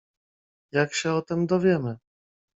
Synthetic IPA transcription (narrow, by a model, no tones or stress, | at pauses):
jakɕɛɔt̪ɛmd̪ɔvjɛmɘ